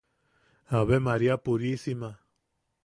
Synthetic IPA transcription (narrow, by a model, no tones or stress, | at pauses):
aβemaɾiapuɾisima